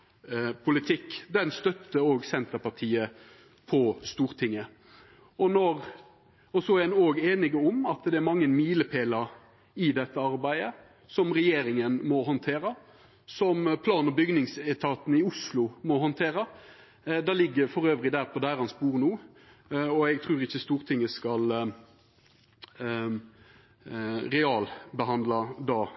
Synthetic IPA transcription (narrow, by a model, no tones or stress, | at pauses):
pʰʊlɪt̪ʰɪkːd̪ɛnst̪œt̪ːəoːɡsɛnt̪əɾpɑʈʰiːə | pʰɔst̪uːɾt̪ʰɪŋːə | ɔnɔɾ | ɔsɔæɛnoːɡeːnɪɡɔmɑt̪d̪ɛæɾmɑŋːənmiːləpʰeːləɾ | ɪd̪ɛt̪ːəɑɾbæɪə | sɔmʁɛjeːɾɪŋənmɔɦɔnt̪ʰeːɾə | sɔmpʰlɑːnɔbʏɡnɪŋsɛt̪ʰɑːt̪n̩ɪʊslʊmɔɦɔnt̪ʰeːɾɑ | d̪ælɪɡːəɾfɔɾøːʋɾɪd̪æːɾpʰɔd̪æːɾhɑnspuːʁnuː | ɔɛɡt̪ʰʁʉːɾɪçːəst̪uːɾt̪ʰɪŋːəskɑl | ɾɛɑːlbəɦɑnd̪lɑd̪ɑː